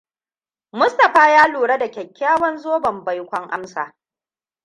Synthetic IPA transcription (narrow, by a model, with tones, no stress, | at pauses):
mʊ˦stɐ˨ɸaː˦jaː˦luː˨ɽɐ˦da˨kʲɛ˨kʲːaː˦wɐ˦nzoː˦bɐ˨mba˦jkʷɔ˦ŋʔa̰˦msa̰ː˨